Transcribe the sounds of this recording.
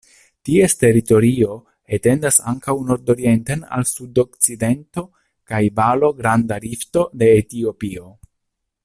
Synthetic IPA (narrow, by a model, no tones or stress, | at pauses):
tie̞ste̞ɾito̞ɾio̞ | ete̞ndasa̰ŋkawno̞ɾdo̞ɾie̞ntena̰lsudo̞k̚t͡side̞nto̞ | kajbalo̞ɡɾandaɾifto̞de̞ːtio̞pio̞